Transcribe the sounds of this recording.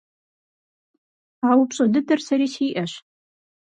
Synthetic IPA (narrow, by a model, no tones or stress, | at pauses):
aːwʊpɕʼɐdɨtʰɐrsɐɾiːsiːʔɐɕ